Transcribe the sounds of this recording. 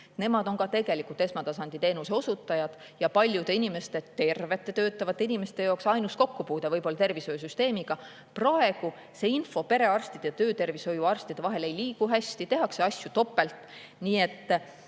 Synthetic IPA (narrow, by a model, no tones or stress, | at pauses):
ne̞mɑd̪o̞nkɑt̪e̞ɡ̥e̞likult̪e̞smɑt̪ɑsɑnd̪it̪e̞ːnuse̞o̞sut̪ːˑɑjɑd̪̥ | jɑpɑlʲjud̪einime̞st̪e̞t̪e̞rve̞t̪ːˑe̞t̪øːt̪ːˑɑvɑt̪ːe̞inime̞st̪e̞joːksɑjnusko̞kːupuːd̪̥evɤjbo̞lːɑt̪e̞rviso̞jus̬yst̪e̞ːmiɡ̥ɑ | prɑe̞ɡ̥u | se̞info̞pe̞ɾe̞ɑrst̪id̪̥et̪øːt̪e̞rviso̞juɑrst̪id̪̥e̞vɑɦe̞le̞jliːɡuɦæsʲt̪it̪e̞ɦɑkse̞ɑsjut̪o̞pːˑe̞lt̪ˑ | niːe̞t̪ː